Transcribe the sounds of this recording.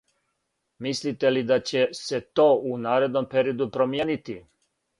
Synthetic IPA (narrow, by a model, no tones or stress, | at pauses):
mislit̪elid̪at͡ɕe̞se̞t̪o̞ːunaːɾe̞d̪no̞mpeɾiod̪upɾo̞mjeːnit̪i